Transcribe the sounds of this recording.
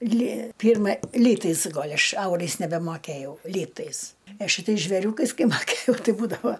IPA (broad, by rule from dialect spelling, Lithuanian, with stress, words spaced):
lʲiː ˈpʲiːrmɐ ˈlʲiːtɐɪs ˈɡoːlʲ ˈɐʃ ˈɐʊrɐɪs nʲɛbʲɛmoːˈkʲæjɛʊ ˈlʲiːtɐɪs ɐ ʃʲɪˈtɐɪs ʒʲʋʲɛˈrʲuːkɐɪs ˈkɐɪ mɐˈkʲeːjɛʊ ˈtɐɪ ˈbuːdɐʋɐ